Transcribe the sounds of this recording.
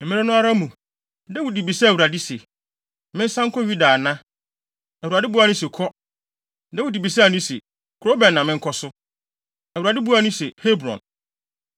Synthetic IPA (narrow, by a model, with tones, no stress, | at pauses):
m̩˨mɪ̃˦ɾɪ˦nʊ̃˦a˦ɾa˦mũ˨ | dɛ˦wu˨di˨bi˨sa˦˨u˨ɾa˨dɪ˦sɛ˨ | mɪ̃˦n̩˦sã˦ŋ̩˦kʰɔ˦ɥi˦daː˨nã˦ | ɛ˨u˨ɾa˨dɪ˦bu˦a˦nʊ̃˦sɛ˨kʰɔ˦ | dɛ˦wu˨di˨bi˨s̬a˦˨nũ˦sɛ̰˨ | kʰo˦bɛ̃˨nːã˨mɪ̃˦ŋ̩˦kʰɔ˦sʊ˦ | ɛ˨wa˨dɪ˦bu˦a˦nũ˦sɛ˨he˦bɾɔ̰̃˨n